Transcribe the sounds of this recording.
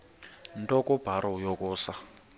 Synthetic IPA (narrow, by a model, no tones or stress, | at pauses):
ntʼɔkɔb̥ʱaɾɔjɔkuːsa